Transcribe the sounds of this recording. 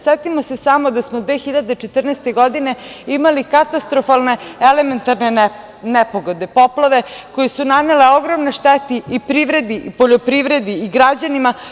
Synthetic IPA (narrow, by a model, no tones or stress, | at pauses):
set̪imosesamod̪asmod̪ʋeːxiʎad̪et͡ʃet̪r̩nest̪eɡo̞d̪ine̞imalikat̪ast̪ɾofalˠne̞element̪aɾne | nepoɡod̪epo̞plˠaʋe̞ko̞jesunaneleo̞ɡɾomneʃt̪et̪iipɾiʋɾe̞d̪iʔipo̞ʎopɾiʋɾe̞d̪iiɡɾad͡ʑanima